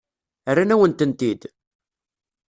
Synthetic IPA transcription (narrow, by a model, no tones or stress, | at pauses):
ərːanæwənt̪ənt̪id̪